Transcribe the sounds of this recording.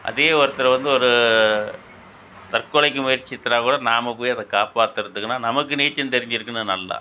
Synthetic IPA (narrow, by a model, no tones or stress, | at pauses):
ʔɐ̰ðɪɣɐʋɐɾɯt̪ːɪlɐʋɐnd̪ɯɔɾɯ | t̪ɐrkːɔlɐɪk̬ːɯmʊjɐɾt͡ʃːɪt̪ːɪɾaːkuːɽɐnaːmɐpːoːjɐðɐkaːpaːt̪ːɯɾɯnt̪ɯkːɯnːaːnɐmɐkːɯniːt͡ʃːɐnt̪ɛɾɪɲd͡ʒɪɾɯkːɯnːnɐlːɐ̰